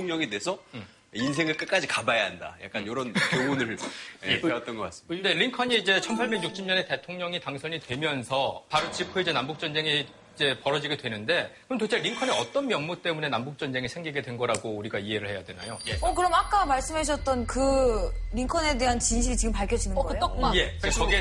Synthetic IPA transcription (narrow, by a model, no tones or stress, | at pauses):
oŋɲʌŋedwe̞sʰʌ | insʰe̞ŋɯɭk͈ɯk͈ad͡ʑikabajaɦanda̰ja̰k͈̚anjoɾʌnkjoŋunɯɭeewat͈̚ʌnɡʌk͈as͈ɯne̞ɾiŋkʰʌɲiːd͡ʑe̞t͡ɕʰʌnpʰaɭbe̞ɡɲuk̚t͡ɕʰimɲʌne̞te̞tʰoŋɲʌŋitaŋsʰʌɲitwe̞mjʌnsʰʌpaɾot͡ɕipʰuid͡ʑe̞nambuk̚t͡ɕ͈ʌnd͡ʑe̞ŋi | id͡ʑe̞pʌɾʌd͡ʑiɡedwe̞nɯnde̞kɯmtot͡ɕʰeɾiŋkʰʌneʌt͈ʌnmjʌnmut͈e̞mune̞nambuk̚t͡ɕ͈ʌnd͡ʑe̞ŋiɭsʰeŋɡiɡe̞dwe̞nɡʌɾaɡouɾiɡaiɦe̞ɾɯɭhe̞jadwe̞na̰jojeʌkɯɾʌmak͈amaɭs͈ɯmaɕ̬ʰʌt̚t͈ʌnkɯɾiŋkʰʌne̞de̞ɦant͡ɕinɕʰiɾit͡ɕiɡɯmpaɭkʰʌd͡ʑinɯnɡkɯjt͈ʌkaje̞ʌɡe